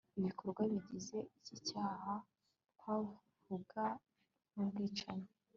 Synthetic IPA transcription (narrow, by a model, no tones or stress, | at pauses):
iβikʰo̞ɾɡwaβiɟize̞ʔicicaːha | kwa | vuɡa | nubɡiːt͡ʃaɲe